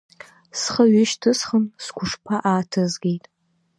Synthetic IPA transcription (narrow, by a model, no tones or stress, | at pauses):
sχɐɥɪʃtʰɨsχənskʷʊʂpʰaʔaːtʰɐzɡʲejtʼ